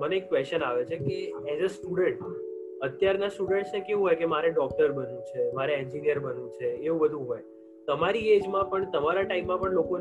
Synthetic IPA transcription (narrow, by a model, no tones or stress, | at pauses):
məneːkːʋɛst͡ʃənaʋet͡ʃʰekeɛzəsʈuɖəɳʈ | ət̪jaɾnasʈuɖəɳʈsnekeʋũɦojkemaɾeɖɔk̚ʈəɾbənũt͡ʃʰemaɾeɛ̃ɲd͡ʒinijəɾbənũt͡ʃʰeːũbəd̪ʱũɦoj | t̪əmaɾied͡ʒmãpəɳt̪əmaɾaʈaimːãpəɳlokon